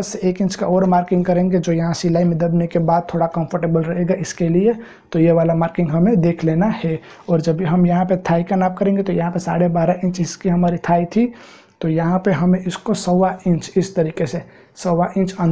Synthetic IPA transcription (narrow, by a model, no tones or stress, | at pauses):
seeːkɪ̃nt͡ʃkaɔːɾmaːɾkɪ̃ŋɡkɐɾẽːŋɡed͡ʒoːjɐɦãsɪlaːimɪd̪əbnekebaːd̪̚t̪ʰːoːɽakɐ̃mpʰəɾʈebəlɾɐɦeɡaʔɪskelie | t̪ojeʋaːlamaːɾkɪ̃ŋɡɦɐmẽd̪eːkʰleːnahɛ | ɔːɾd͡ʒɐbiɦɐmjɐɦãpet̪ʰaːikanaːp̚kɐɾẽːŋɡet̪ojɐɦãpesa̰ːɽebaːɾaʔɪ̃nt͡ʃɪskiɦɐmaːɾit̪ʰaːit̪ʰi | t̪ojɐɦãpeɦɐmẽɪskosəʋaɪ̃nt͡ʃɪst̪ɐɾiːkese | səʋaʔɪ̃nt͡ʃə̃n